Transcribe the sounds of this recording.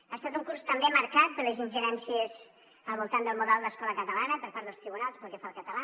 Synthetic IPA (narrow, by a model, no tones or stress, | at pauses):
aːst̪at̪uŋkuɾst̪əmbeməɾkat̪̚pəɾləzinʲʒəɾɛnsiəz | əlˠβulˠt̪and̪əlˠmuðɛlˠd̪əskɔləkət̪əlanəpəɾpaɾt̪ðəlˠst̪ɾiβunalˠspəlˠkɛfalˠkət̪əla